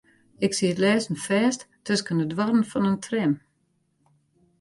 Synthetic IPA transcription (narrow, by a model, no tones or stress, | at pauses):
ɪksiətlɛːsn̩fɛːst | tʰːøskəndədʋɔrən̩fɔnəntʰrɪm